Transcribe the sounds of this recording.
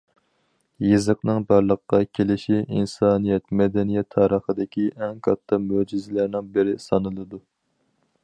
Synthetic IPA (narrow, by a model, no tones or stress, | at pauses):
jezəqnɨŋbɑɾlˠəqqɑkʲʰelɪʃiinsɑːnijɛt̪mɛd̪ɛnijɛt̪ʰːɑːɾəχəd̪ɪkʲʰiʔɛŋkʰɑt̪ʰːɨmød͡ʒizɪlæɾnɪŋbɪɾɪsɑnɨlˠɨd̪u